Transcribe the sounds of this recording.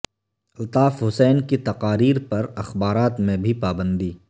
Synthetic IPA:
ɪlt̪aːfɦʊsɛːnkit̪ɐqaːɾiːɾpɐɾɐxbaːɾaːt̪mẽbʱipaːbə̃nd̪iː

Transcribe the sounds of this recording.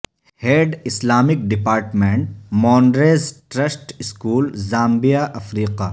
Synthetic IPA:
heːɖɪslaːmɪk̚ɖɪpaːɾʈmẽɳʈmõːnɖɾeːzʈɾɐsʈɪskuːlzaːmbijaʔɐfɾiːqaː

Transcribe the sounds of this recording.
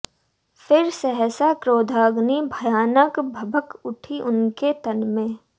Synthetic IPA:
fʰɪɾsɛɦɛsakɾoːd̪ʱaːɡnibʱəjaːnəkbʱɐbəkʊʈʰiʔʊnket̪ɐnmẽː

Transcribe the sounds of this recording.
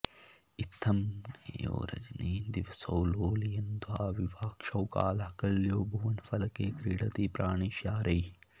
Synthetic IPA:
it̪ʰːɐmjo̰ːɾɐ̰d͡ʒniːnd̪iʋsɐwloːlijɐnd̪uwaːʋiʋaːkʃɐwka̰ːlɦɐkɐlːjoːbʱuʋɐnfɐlɐkeːkɾiːɽɐt̪iːpɾaːɳ̃iːʃjaːɾɐj

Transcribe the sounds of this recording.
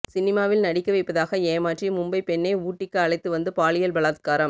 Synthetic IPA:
sɪnɪmaːʋɪlnɐɽɪkːɐʋɐɪpːɐðaːɣɐeːmaːʈrimʊmbɐɪpɛɳːɐɪuːʈːɪkːɯɐɭɐɪt̪ːɯʋɐnd̪ɯpaːɭɪjɐlbɐɭaːt̪̚kaːɾɐm

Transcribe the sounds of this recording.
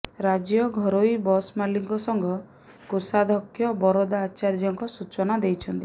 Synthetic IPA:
ɾad͡ʒjɔɡʱɔɾojbɔsmaliŋkɔsɔŋɡʱɔ | kosad̪ʱɔkʰːjɔbɔɾɔd̪aːt͡ʃaɾd͡ʒɔŋkɔsut͡ʃɔnad̪ejt͡ʃʰɔnt̪i

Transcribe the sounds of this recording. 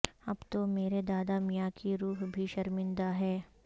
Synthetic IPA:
ɐbt̪omeːɾed̪aːd̪amɪjakiɾuːɦbʱiʃɐɾmɪ̃nd̪aɦɛː

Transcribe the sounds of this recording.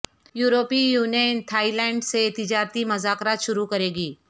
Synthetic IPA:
juːɾoːpijuːnjənt̪ʰaːilɛ̃ːɳɖset̪ɪd͡ʒaːɾt̪imɐzaːkɾaːt̪ʃʊɾukɐɾeːɡiː

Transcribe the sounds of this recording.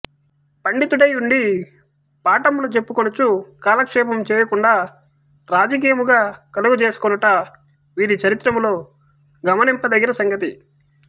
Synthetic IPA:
pɐɳɖit̪uɽɐjuɳɖi | paːʈɐmloːt͡ʃe̞pːukonut͡ʃukaːlɐkʂɛːpɐmt͡ʃɛːjɐkuɳɖaː | ɾaːd͡ʒɐk̬iːjɐmuɡaːkɐluɡut͡ʃeːsu̥konuʈɐ | ʋiːɾit͡ʃɐɾit̪ːɾɐmlo̞ː | ɡɐmɐnimpːɐd̪ɐɡːɐɾɐsɐŋɡɐt̪i

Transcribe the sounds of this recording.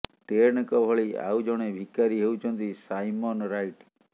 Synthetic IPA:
t̪eɾɳkɔbʱɔɭia̰wd͡ʒɔɽ̃ebʱikaɾiɦeut͡ʃʰɔnt̪isajmɔnɾajʈ

